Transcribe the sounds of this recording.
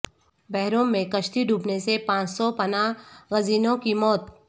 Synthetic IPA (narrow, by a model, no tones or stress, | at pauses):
bɛɦɾõmẽkɐʃʈ̪iɖʱuːpnesepãːt͡ʃsɔpɐnaɣɐziːnõkimɔːt̪